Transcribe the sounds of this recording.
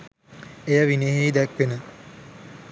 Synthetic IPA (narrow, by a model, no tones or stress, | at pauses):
ejəʋineɦeid̪ækʋenə